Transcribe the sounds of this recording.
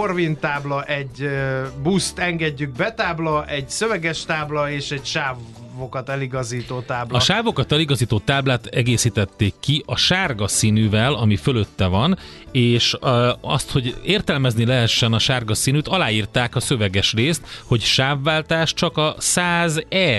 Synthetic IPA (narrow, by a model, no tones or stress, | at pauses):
orvint̪aːblɒʔɛɟbust̪ɛŋɡɛɟːyɡ̚bɛt̪aːblɒʔɛɟsøvɛɡɛʃt̪aːblɒeːʃɛcʃaːvokɒt̪ɛliɡɒziːt̪oːt̪aːblɒʃaːvo̞kɒt̪ɛliɡɒziːt̪oːt̪aːblaːt̪ɛɡeːsiːt̪ɛt̪ːeːkːiʔɒʃaːrɡɒsiːnyːvɛlɒmiføløt̪ːɛvɒn | eːʃɒ̰st̪ho̞ɟeːrt̪ɛlmɛznilɛɦɛʃːɛnɒʃaːrɡɒsiːnyt̪ɒlaːiːrt̪aːkɒsø̞vɛɡɛʃreːst̪ho̞ɟʃaːvːaːlt̪aːʃt͡ʃɒkɒsaːzɛː